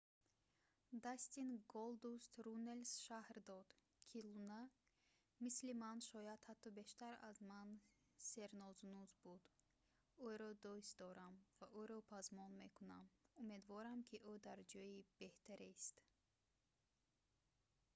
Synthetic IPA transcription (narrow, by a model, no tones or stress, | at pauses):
d̪ast̪inɡɔld̪ust̪ɾunelsʃahɾd̪ɔd̪̥ | kʰiluna | mislimanʃɔjat̪hat̪ʰːɔbeʃt̪aɾa̰zman | seɾnɔznuzbud̪ | uɾɔd̪ɔsd̪ɔɾamvaʔuɾɔpʰazmɔnmekunamumed̪vɔɾamkʰiʔud̪aɾd͡ʒɔjib̥eht̪ʰaɾest̪